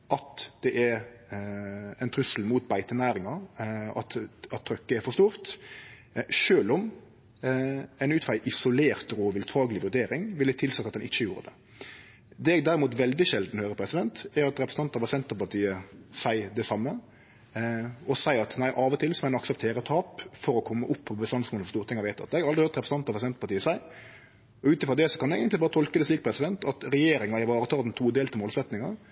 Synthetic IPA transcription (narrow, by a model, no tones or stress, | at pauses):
ʔɑt̪d̪̥ɛʔæɾ | ɛɪnt̪ʰɾʉsəl̩muːt̪̚bæɪt̪ənæːɾɪŋɑɑt̪ɑt̪ʰːɾœkːəɛɾfɔʁʂt̪uːɾt̪ | ʃøːlɔm | ɛɪnʉːt̪fɑɪʔɪsʊleːʁt̪ɾoːʋɪlt̪ʰɑːɡlɪʋʉɾd̪eːɾɪŋʋɪlət̪ʰɪlsɑt̪ːɑt̪d̪ɛnɪt͡ʃːəjṵːɾə̰d̪ɛ̰ | d̪ɛːɛɡd̪æɾɪmuːt̪ʋɛld̪ɪʃɛld̪n̩høːɾəpʰɾɛsɪd̪ɛnt̪æɾɑt̪ɾɛpɾs̩ɑnt̪ɑʋɑsɛnt̪əpɑʁt̪ʰiːəsæɪd̪ɛsɑmːə | ɔsæɪɑt̪næɪʔɑːʋɔt̪ʰɪlsɔmɛnɔɑksɛpt̪ʰeːɾət̪ʰɑːpfɔɾɔkʰɔmːəʔʊpʰːɔbəst̪ɑnsmoːnəfɔstuːət̪ɪŋɑʋæɪt̪ɑ̰t̪ɛɛɡʁɑld̪ɾɪøt̪ɾɛpɾəsn̩ɑnt̪ɑʋɑsɛnt̪pɑt̪iːəsæɪ | ɔʉːt̪ɪfʁɔd̪ɛsɔ̥kɑnɛɡənt̪lɪbɑːɾət̪ʰɔlkəd̪ɛsliːk̚pʰɾɛsɪd̪ɛnt̪ɑt̪ɾɛjeːɾɪŋɑɪʋɑːɾət̪ʰɑːld̪ɛnt̪ʰuːd̪eːlt̪ʰɪmoːlsɛt̪nɪŋɑɾ